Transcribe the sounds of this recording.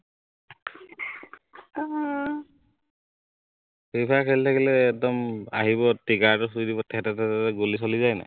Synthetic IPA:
pipʰakʰeltʰakilɛːk̚dɔmaɦiβɔtikatʊxujdibɔtɛkɛtatɛtatɛɡulis̬olizajna̰j

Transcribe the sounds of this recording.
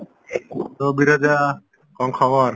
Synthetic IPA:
obiɾod͡ʒa | kɔŋkʰɔbɔɾ

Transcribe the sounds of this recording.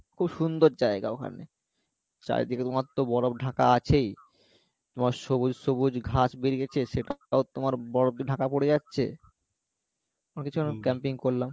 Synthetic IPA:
kʰubʃund̪oɾd͡ʑaeɡaokʰa̰nḛ | t͡ɕa̰ɾ̰d̪iket̪omat̪ːobɔɾobɖʱakaat͡ɕʰej | t̪omaɾʃobod͡ʑʃobud͡ʑɡʱaʃbeɾiɡet͡ɕʰeʃeʈaot̪omaɾbɔɾob̚t̪iɖʱakapoɽed͡ʑatːɕʰḛ | amakit͡ɕʰukʰonekɛmpiŋkoɾlam

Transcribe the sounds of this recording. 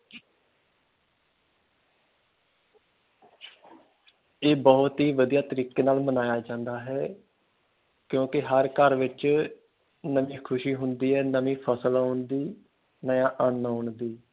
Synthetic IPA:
eːbɔːʊt̪ɦiːʋəd̪ijaːt̪əɾiːkeːnaːlmənaːjaːd͡ʒãːnd̪aːɦɛː | kjõːkɪɦəɾkəɾʋɪt͡ʃ | nəʋĩːkʰʊʃiːɦʊnd̪iːɦɛːnəʋĩːpʰəsəlaːɳd̪iː | nəjãːʔənaʊɳd̪iː

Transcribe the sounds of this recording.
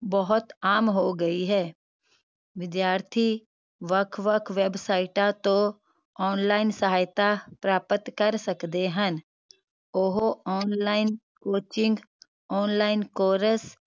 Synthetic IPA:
bɐɦʊt̪aːmɦoɡɐiɦɛː | ʋɪd̪jaːɾt̪ʰi | ʋəkʰʋəkʰʋeːbsaːɪʈat̪o | ɔːnlaːɪnsəɦaːjt̪apɾaːpət̪kɐɾsəkd̪eɦən | oːɦoɔːnlaːɪn | koːt͡ʃɪ̃ŋɡ | ɔːnlaːɪnkoːɾəs

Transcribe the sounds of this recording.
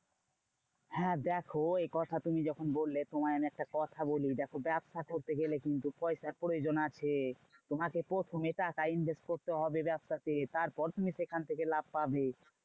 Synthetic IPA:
hɛ̃d̪ɛkʰoekɔt̪ʰat̪umid͡ʑɔkʰonbolːet̪omaamiɛk̚ʈakɔt̪ʰabolid̪ɛkʰobɛbʃakoɾt̪eɡelekint̪upɔeʃaɾpɾojod͡ʑonat͡ɕʰe | t̪omakepɾot̪ʰomeʈakainbʱesʈ̚koɾt̪eɦɔbebɛbʃat̪et̪aɾpɔɾt̪umiʃekʰant̪ʰekelab̚pabe

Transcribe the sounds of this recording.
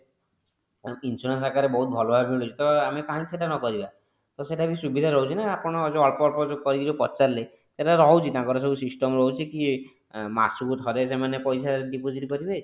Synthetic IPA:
insuɾens̬ɔkaɾebɔɦut̪̚bʱɔlɔbʱabʱilot͡ʃʰit̪ɔamekãɦĩsʰeʈanɔkɔɾiba | t̪ɔseʈabisubid̪ʱaɾɔɦwt͡ʃʰinaːpɔɽ̃ɔːd͡ʒɔɔɭpɔɹpɔd͡ʒoɡkɔɾid̪ilɔpɔt͡ʃaɾle | seʈaɾɔɦwt͡ʃʰit̪ãkɔɾɔs̬ɔbusisʈɔmɾɔɦot͡ʃʰiki | ma̰sut̪ɦɔɾesemanepɔjsaɖipoziʈipɔɾibej

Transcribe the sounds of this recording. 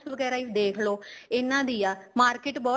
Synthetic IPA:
ʋəɡɛːɾaifd̪eːkʰɭoːenːãːd̪ijaːmaːɾkeːʈbɔː

